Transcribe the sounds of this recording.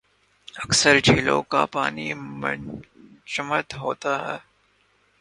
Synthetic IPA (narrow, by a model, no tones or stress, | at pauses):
ɐksəɾd͡ʒʱiːlõ̰ka̰paːnim | t͡ʃəmət̪ɦoːt̪aɦɛː